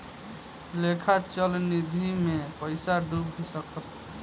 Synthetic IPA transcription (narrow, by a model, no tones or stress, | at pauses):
lekʰat͡ʃəlnid̪ʱimepəɪsaɖup̚bʱisəkək̚ʰ